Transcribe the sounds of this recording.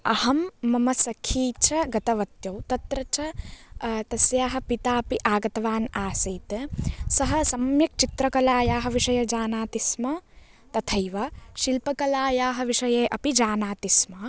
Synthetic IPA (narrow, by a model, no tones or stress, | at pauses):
ɐhɐmːɐmɐsɐkʰiːt͡ʃʰɐɡɐt̪ɐʋɐt̪jɐwt̪ɐt̪ɾɐt͡ʃʰɐ | t̪ɐsjaːɦɐ̆pit̪aːɐpiʔaːɡɐt̪ɐʋaːnaːsɐːt̪sɐɦɐ̆sɐmjɐk̚t͡ʃit̪ɾɐkɐlaːjaːɦɐ̆ʋiʂɐjɐd͡ʒaːnaːt̪ismɐ | t̪ɐt̪ʰɐjʋɐʃilpɐkɐlaːjaːɦɐ̆ʋiʂɐjeːʔɐpid͡ʒaːnaːt̪ismɐ